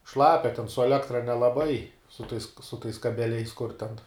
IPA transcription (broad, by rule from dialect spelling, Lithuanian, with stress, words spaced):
ˈʃlˠɑːpʲɛ tʲɛn sʊ ɛˈlʲæːktrɐ nʲɛlˠɐˈbɐɪ sʊ tɐɪs sʊ tɐɪs kɐbʲɛˈlʲɛɪs kʊr tʲɛn